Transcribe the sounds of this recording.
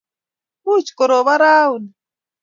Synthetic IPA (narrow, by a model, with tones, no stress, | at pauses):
u˦t͡ʃkɔ˨ɾo˨βa˦ɾa˦u˨ni